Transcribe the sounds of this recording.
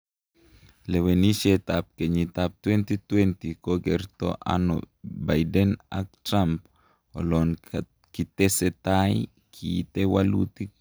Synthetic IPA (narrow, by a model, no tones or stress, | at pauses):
leweniʃet̪ap̚keɲit̪ap̚t̪went̪it̪went̪ikoɡeɾt̪o̰ʔa̰no̰ | bajdena̰k̚t̪ɾamp | o̰lon | kit̪eset̪aj | kʰit̪ewalṵt̪i